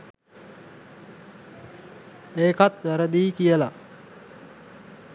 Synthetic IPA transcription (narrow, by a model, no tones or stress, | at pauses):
eːkat̪ʋæɾəd̪iːkijəla